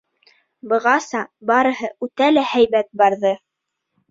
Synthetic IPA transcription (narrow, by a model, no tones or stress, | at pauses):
bɤ̆ʁɑsɑbɑɾɤ̆ɦɤʔʉt̪ælæhæjβæt̪̚bɑɾðɤ